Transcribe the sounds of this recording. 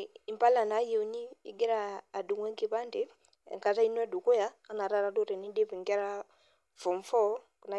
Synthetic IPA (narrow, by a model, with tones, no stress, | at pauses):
i˨mpa˦la˨na˨˦je˨u˦ni˦ḭ˦ɡɛ˦ɾaː˦˨du˨ŋwɛ˦ŋke˦βa˦nde˦ | ɛ̰˨ŋka˨ta˦i˦n˦ɛ˦du˨ko˦jaː˦na˨ɾa˦ɾa˦do˦ɾɛ˨ni˦de˦fi˨ŋkɛ˦ɾa˦ | fɔ˨ɱ˦fɔ˦ | ku˨na˦˨